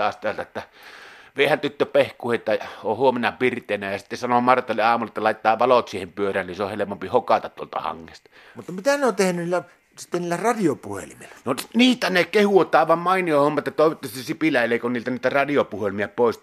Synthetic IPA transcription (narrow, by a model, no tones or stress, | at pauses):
ɑːst̪æːlt̪æt̪ːæʋeˑhænt̪yt̪ːøpehkːˑuhet̪ːæohuomenɑpirt̪ˑeːˑnæjɑsit̪ːesɑnomɑrt̪ːˑɑˑlːeʔɑːmulːˑɑet̪ːælɑˑitt̪ːˑɑːʋɑlot̪siːhempyørˑæːnniseohelemompihokɑt̪ɑt̪uo̰lt̪ɑ̰hɑ̰ŋːest̪ɑ | mut̪ːɑmit̪æneot̪ehnynilːæ | si̥t̪ːenniːlːærɑdiopuhḛlimilːænoniːt̪ænekehuot̪ˑɑˑeʋɑmmɑˑiniohomːɑt̪ːɑt̪oˑeʋot̪ːɑssipilæˑelːˑeˑikonniːlt̪ænit̪ærɑdiopuhelimiæpoˑis